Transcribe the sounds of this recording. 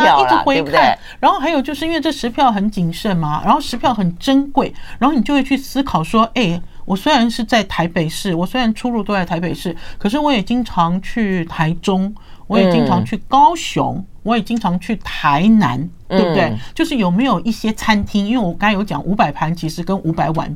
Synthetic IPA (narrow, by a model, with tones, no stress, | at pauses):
i˥˩ʈ͡ʂɻ̩˧˥xwe˧˥ɪkʰa˥˩˥ | ɻa˧˥nxo˥˧xa˧˥jo˨˩ʊt͡ɕjo˥˧ʊʂ̩ɻ̩˥˧i˥nwe˥˧ʈ͡ʂɤ˥˩ʂɻ̩˧˥pʰjɑ˥˩ʊxə˧˥nt͡ɕi˨˩ŋʂə˥˩nmɐ˩ɻʔa̰˧˥nxo˥˩ʊʂɻ̩˧˥pʰjɑ˥˩ʊxə˨˩nʈ͡ʂə˥nkwe˥˩ɪɻa˧˥nxn˨˩jo˥˧we˥˩t͡ɕʰy˥˩sɹ̩˥kʰɑ˨˩ʊʂwɔ˥ʔe˥˩ɪ | wʔɔ˨˩swe˥ɪɻa˧˥nʂɻ̩˥˧t͡sa˥˩ɪt̪ʰa˧˥ɪpe˨˩ɪʂɻ̩˥˩wɔ˨˩swe˥ɪɻa˧˥nʈ͡ʂʰu˥ɻu˥˧t̪o˥˧t͡sa˥˩t̪ʰa˧˥ɪpe˨˩ɪʂɻ̩˥˩kʰɤ˨˩ʂ̬ɻ̩˥˩wɔ˧˥jɛ˨˩t͡ɕi˥ŋʈ͡ʂʰɑ˧˥ŋt͡ɕʰy˥˩t̪ʰa˧˥ɪʈ͡ʂʊ˥ŋ | wɔ˧˥jɛ˨˩t͡ɕi˥ŋʈ͡ʂʰɑ˧˥ŋt͡ɕʰy˥˩kɑ˥ʊɕjʊ̰˧˥ŋ | wɔ˧˥jɛ˨˩t͡ɕi˥ŋʈ͡ʂʰɑ˧˥ŋt͡ɕʰy˥˩t̪ʰa˧˥ɪna̰˧˥nt̪we˥˩b̚t̪we˥˩ɪt͡ɕjo˥˧ʂɻ̩˥˩jo˨˩ʊme˧˥ɪjo˨˩ʊʔi˥˩ɕjɛ˥t͡sʰa˥nt̪ʰi˥ŋi˥nwe˥˩wɔ˨˩ka˥jo˧˥t͡ɕjɑ̰˨˩˦ŋʔu˧˥pa˨˩ɪpʰa˧˥nt͡ɕʰi˧˥ʂɻ̩˧˥kə˥nʔu˧˥pa˧˥ɪwa̰˨˩˦n